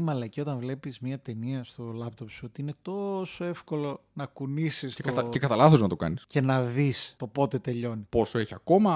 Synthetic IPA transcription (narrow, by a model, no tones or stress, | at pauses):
imɐlɐcio̞t̪ɐnvle̞pizmɲɐt̪e̞niɐst̪o̞lɐpt̪o̞psuot̪iine̞t̪o̞so̞e̞fko̞lo̞nɐkunisiset̪cekɐt̪ɐlɐθoznɐt̪okɐ̰nisce̞nɐðist̪o̞po̞t̪e̞t̪e̞ʎo̞nipo̞soeçiɐko̞mɐ